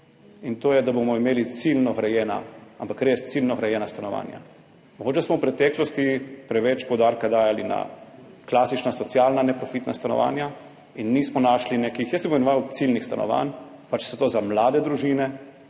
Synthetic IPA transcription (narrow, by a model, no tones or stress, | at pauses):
int̪oːjɛd̪abomɔimeːlit̪silnɔɣɾɛjɛːna̰ampakɾest̪silnɔɣɾɛjɛːnast̪anɔʋa̰ːnja̰ | mɔɡoːt͡ʃɛsmɔwpɾɛt̪ɛːklɔst̪ipɾɛʋɛt͡ʃpɔwd̪aːɾkad̪aːjalina̰ | klaːsit͡ʃnasɔt̪sjalnanɛpɾɔfit̪nast̪anɔ̰ʋa̰ːnja | inːismɔnaːʃlineːkixjəsɛbnʋawt̪silnixst̪anʔɔ̰ʋa̰npat͡ʃsɛt̪oːzamlaːd̪ɛd̪ɾuʒiːnɛ